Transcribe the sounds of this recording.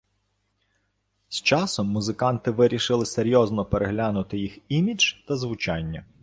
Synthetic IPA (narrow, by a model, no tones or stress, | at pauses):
st͡ʃɑsɔmːʊzɪkɑnt̪ɪʋɪɾʲiʃɪlˠɪseɾʲjɔznɔpeɾeɦlʲanʊt̪ɪjiximʲid͡ʒt̪ɐzʋʊt͡ʃɑnʲːɐ